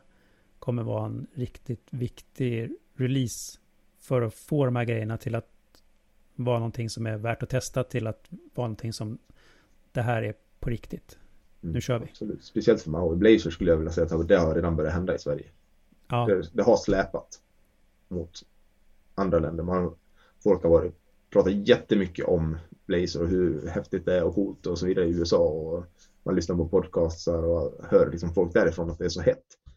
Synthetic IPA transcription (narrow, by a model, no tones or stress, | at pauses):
kʰɔmːəvɑ̰ːɾaɛnɾɪkt̪ɪt̪vɪkt̪ʰɪ | ɾɛliːs | fœɾɔfoːd̪ɔmhæːɾɡɾɛjːəɳat̪ʰɪlat̪ | vɑːɾanɔnt̪ʰɪŋsɔmæɾvæːʈɔt̪ʰɛst̪at̪ʰɪlat̪vɑːɾnɔnt̪ʰɪŋsɔm | d̪̥ɛɦæːɾæɾ | pʰɔɾɪkt̪ɪt̪ | nʉ̟ːɕœːvɪsɔlʉ̰ːt̪spɛsɪɛlt̪fœmaʊɪblɛɪsəʂkɵlːəjavɪljasɛjːt̪had̪ɛhaɾeːd̪anbœɾjat̪ɛnd̪aɪsvæ̰ɾjə̰ | d̪ɛd̪ɛɦaslɛːpat̪ | mʊt̪ | ʔand̪ɾalɛ̰nd̪əɾman | fɔlkhaɾvɑːɾɪt̪ | pʰɾɑːt̪at̪jɛt̪ːəmʏkːə̰ʔɔmb̥lɛɪsəɾɔɦɵɾhɛft̪ɪt̪d̪ɛæɾɔkʰuːlt̪ɔsɔviːd̪aɾəɪʉːɛsɑːɔ | manlʏsnaɾpʰɔpʰɔd̪kʰɑːst̪saɾɔhœːɾlɪksɔmfɔlk̚d̪æːɾɪfɾɔːnat̪̚d̪ɛæʂɔhɛt̪ː